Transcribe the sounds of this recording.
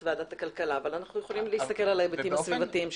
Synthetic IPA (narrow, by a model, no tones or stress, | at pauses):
vead̪at̪akalkalaːvalanaχnujeχolimleist̪akelalaebet̪imasvivat̪iimʃ